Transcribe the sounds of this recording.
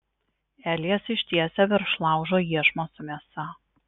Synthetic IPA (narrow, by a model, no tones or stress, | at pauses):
æːlʲɛsɪʃʲt̪ʲiɛsʲɛʋʲɛɾʃlˠɑˑʊʒoːjiɛʃmosʊmʲiɛsɐ